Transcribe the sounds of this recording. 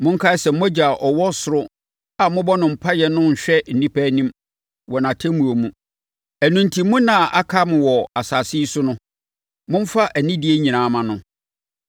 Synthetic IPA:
mʊ̃˦ŋ̩˦kʰa˦sɛ˨m˦æ˦d͡ʑa˨ʔɔ˨wɔ˦sʊ˨ɾʊ˦ | a˨mʊ̃˦bɔ˦nʊ̃˨m̩˨pʰa˦jɛ˦nʊ̃˦ɲ̩˨ɕᶣɛ˦n̩˨nĩ˦pʰæ˦nĩ˦m | wɔ˨nã˨tʰẽ˦mũ˨o˨mũ˨ | æ˨nũ˨n˨tʰi˨˦mũ˦nã˨ʔa̰˦kʰa˦mʊ̃˨wɔ˨a˨saː˨si˦i˦sʊ˦nʊ̃˦ | mʊ̃˦m̩˦fa˦ʔæ˨nĩ˦dɪ˦e˦ɲĩ˨nã˨˦˨mã˨nʊ̃˦

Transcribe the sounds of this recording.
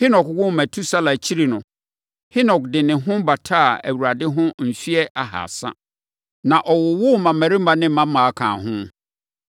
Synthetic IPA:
hɪ˦nɔ˨kwʊ˦mæ̃˨tʰu˦sa˦la˨t͡ɕʰi˦ɾi˨nʊ̃˨ | hɪ˦nɔ˨kdɪ˨nɪ̃˨ɦʊ̃˦ba˨tʰa˦˨æ̰˨wu˨ɾa˨dɪ˦ɦʊ̃˦n̩˨sɥɛ˦ʔa˨ha̰˨sa̰˦ | nã˨ʔɔ˨wʊ˨wʊ˦mã˨mæ˨ɾi˦mã˦nɪ̃˦mã˦mã˨a˦˨kʰã̰ː˨ɦʊ̃˦

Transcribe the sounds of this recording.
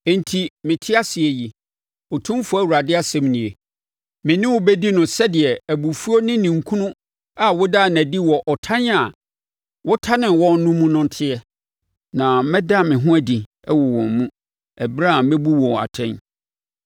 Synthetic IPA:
ɛ̃˨n˨tʰi˨mɪ̃˨tʰɪ˦a˦sɪ˨ɛ˨ji˨ | ɔ˨tʰũ˦m˦fʊ˦æ˦wu˨ɾa˨dɪ˦a˦sɛ̃˨mnĩ˨e˨ | mɪ̃˨nɪ̃˦wʊ˨bɛ˦di˦nʊ̃˨sɛ˦dɪ˨ɛ˨æ˨bu˨fu˦o˦nɪ̃˦nĩ˨ŋ̩˨kʰũ˦nʊ̃˦ | a˨wʊ˦daː˦˨næ̃˨di˦wɔ˨ʔɔ˨tʰã˦n˦a˨ | wʊ˦tʰa˦nɪ̃˨wɔ̃˦nʊ̃˦mũ˦nʊ̃˦n̩˨tʰɪ˦ɛ˦ | nã˨mɛ̃˦da˦˨mɪ̃˨ɦʊ̃˦æ˨di˨ | ɛ˦wɔ˨wɔ̰̃˨mmũ˦ | æ˨bɾa˦˨˦mɛ̃˦bu˦wɔ̃˨a̰˨tʰɛ̃˦n

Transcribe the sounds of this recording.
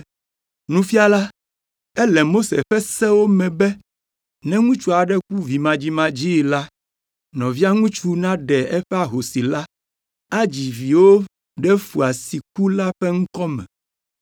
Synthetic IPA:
nũ˦fi˦a˦˨la˦ | ɛ˦lɛ˨mo˦sḛ˨ɸɛ˦sɛ˦wo˦mɛ̃˨bɛ˦ | nɛ̃˦ŋũ˦t͡ʃu˦a˨ɖɛ˦k̚u˦vi˨mã˨d͡ʑi˦mã˦d͡ʑi˦˨la˦ | nɔ̃˨vi˦a˦ŋũ˦t͡ʃu˦nã˦ɖɛ˨ɛ˦ɸɛ˦a˨ɦo˨si˨la˦ | a˦d͡ʑi˨vi˨wo˦ | ɖɛ˦fu˨a˨si˨k̚u˦la˦ɸɛ˦ŋ̩˦kɔ˦mɛ̰̃˨

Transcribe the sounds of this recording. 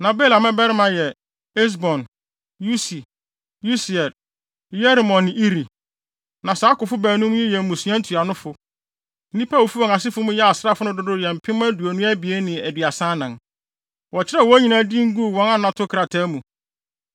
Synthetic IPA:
nã˨bɛː˦la˨mɛ̃˦bɛ˦ɾɪ˦mã˨jɛ˨ | ɛ˦s̬bɔ̃˨n | ju˦si˨ | ju˦si˨ɛ˨d̚ | jɛ˦ɾmɔ̃˨nːɪ̃˨ʔi˦ɾi˨ | nã˨saː˦kʊ˨fʊ˦bæː˨nũ˦m˦ɛ˦jɛ˨mũ˨su˨˦ã˦n̩˦tʰu˨a˨nʊ̃˦fʊ˨˦ | nĩ˦pʰa˦wo˨fu˦ɔ̃˨ŋa˨s̬ɪ˦fʊ˦mũ˦jɛ˦a˨sɾa˦fʊ˦nʊ̃˦dʊ˦dʊ˦jɛ˨m̩˨pʰɪ̃˦m˦æ˦du˨æ˨nũ˦æ˦bi˨e˦nɪ̃˨æ˨dɥa˨sã˦nã˨n | wɔ˨t͡ɕʰɪ˦ɾɛ˦˨wɔ˦ɲĩ˨nã˨˦di˦ŋ̩˦ɡu˦˨wɔ̃˦nã˦nã˨tʰʊ˦kʰɾa˨tʰɛː˦mũ˨

